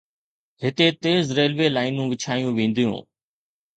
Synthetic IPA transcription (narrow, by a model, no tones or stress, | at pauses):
ɦɪt̪eːt̪eːzɾeːlʋeːlaːɪnũːʋɪt͡ʃʰaːijũːʋẽːn̆d̪ijṵ̃ː